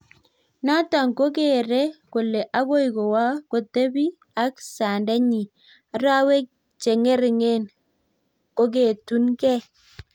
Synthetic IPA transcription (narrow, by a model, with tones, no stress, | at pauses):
na˦ta˨ŋko˦ke˦˨ɾe˦ko˨le˨ʔa˦ɣo˦i˨ko˨wa˦ko˨te˦bi˦ | a˦ksa˨nda˦ɲi˨ | a˨ɾa˦we˦k̚ | t͡ʃe˨ŋe˦ɾɪ˨ŋe˦n | ko˦ke˨tu˦nkɛ˦